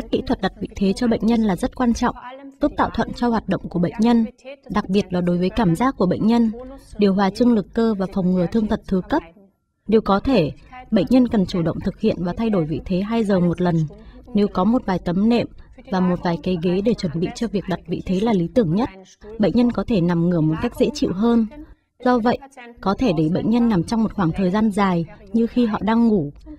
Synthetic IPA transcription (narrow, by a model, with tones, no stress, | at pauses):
ka˦˥k̚kːḭ˧˥t̪ʰwə˨˩t̚ɗa˨˩t̚vḭ˧˨t̪ʰe˨˦t͡ɕɔ˧ɓə̰˧˨ŋ̟ɲə˧nlaː˨˩zə˦˥t̚kwaː˧nt͡ɕɔ̰˧˨wŋ͡mzu˦˥p̚t̪a̰ː˧˨wt̪ʰə̰˧˨nt͡ɕɔ˧hwaː˨˩t̚ɗə̰˧˨wŋ͡mku˧˩əɓə̰˧˨jŋ̟ɲə˧nɗa˨˩k̚ɓi˨˩ət̚laː˨˩ɗo˨˦jvəː˨˦jkaː˧˩mzaː˦˥k̚ku˧˩əɓə̰˧˨ŋ̟ɲə˧nɗi˨˩əwɦwaː˨˩t͡ɕɨ˧əŋlɨ˨˩kːəː˧vaː˨˩fɔ˨˩wŋ͡mŋɨ˨˩ət̪ʰɨ˧əŋt̪ʰə˨˩t̚t̪ʰɨ˨˦kə˦˥p̚ | ne˨˩wkɔ˨˦t̪ʰe˧˩ɓə̰˧˨ŋ̟ɲə˧nkə˨˩nt͡ɕu˧˩ɗə̰˧˨wŋ͡mt̪ʰɨ˨˩k̚hḭ˧˨ənvaː˨˩t̪ʰa˧jɗo˧˩jvḭ˧˨t̪ʰe˨˦ɦaː˧jzəː˨˩mo˨˩t̚lə˨˩nne˨˦wkɔ˨˦mo˨˩t̚vaː˨˩jt̪ə˨˦mnɛ̰˧˨mvaː˨˩mo˨˩t̚vaː˨˩jke˨˦ɣe˨˦ɗe˧˩t͡ɕwə˧˩nɓḭ˧˨t͡ɕɔ˧vi˨˩ək̚ɗa˨˩t̚vḭ˧˨t̪ʰe˨˦laː˨˩li˨˦t̪ɨ˧˩əŋɲə˦˥t̚ | ɓə̰˧˨ŋ̟ɲə˧nkɔ˨˦t̪ʰe˧˩na˨˩mŋɨ˨˧˩əmo˨˩t̚ka˦˥jk̚zḛ˧˥t͡ɕḭ˧˨wɦəː˧n | zɔ˧və̰˧˨jʔkɔ˨˦t̪ʰe˧˩ɗe˧˩jɓə̰˧˨jŋ̟ɲə˧nːa˨˩mt͡ɕɔ˧wŋ͡mmo˨˩t̚xwaː˧˩ŋt̪ʰəː˨˩jzaː˧nzaː˨˩jɲɨ˧xi˧ɦɔ̰˧˨ɗaː˧ŋːu˧˩